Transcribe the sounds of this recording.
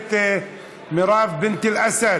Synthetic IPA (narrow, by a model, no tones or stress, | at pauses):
t̪e | mɪɾˤɑːfbɪnt̪ɪlʔasa